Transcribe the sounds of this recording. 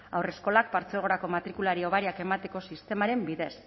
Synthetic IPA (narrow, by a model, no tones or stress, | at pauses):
awre̞sko̞lak̚paɾt͡selɣo̞ɾako̞mat̪ɾikulaɾio̞βaɾiake̞mat̪e̞ko̞sist̪e̞maɾe̞mbiðe̞s